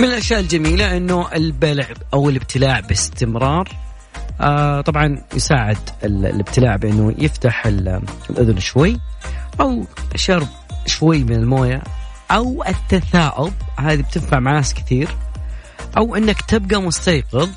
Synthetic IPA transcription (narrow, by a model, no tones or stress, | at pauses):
mɪnɪlʔaʃjaːʔɪld͡ʒamiːlaʔɪnːuʔɪlbalʕʔawɪlɪb̚t̪ʰɪlaːʕbɪst̪ɪmɾˤɑːɾˤ | ʔat̪ˤɑbʕɑnjɪ̰saːʕɪd̪ɪlɪb̚t̪ɪlaːʕbʔɪnːṵjɪft̪aħɪlɪlʔʊðʊnʃwajːʔawʃɑɾˤb̚ | ʃwajːmɪnɪlmoːja | ʔawʔɪt̪ːaθaːʔʊbhaːðib̚t̪ɪnfaʕmaʕnaːskɪ̥θiːɾ | ʔawʔɪnːakt̪ɪb̚ɡamʊst̪ɑːqɨðˤ